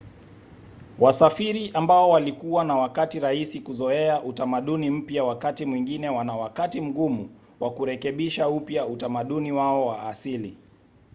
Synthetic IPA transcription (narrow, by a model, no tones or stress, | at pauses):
wasafiɾiʔambaɔwalikuwanawakatiɾahisikuzɔɛaʔutamaɗunim̩pjawakatimwiŋɡinɛwanawakatim̩ɡumu | wʔakuɾɛkɛɓiʃaupjautamaɗuniwaɔwaːsili